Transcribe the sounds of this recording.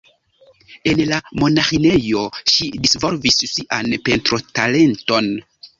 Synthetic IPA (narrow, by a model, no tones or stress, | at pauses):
e̞nlamo̞naxine̞jo̞ʃidisvo̞lvissiʔanpe̞ntɾo̞tale̞nto̞n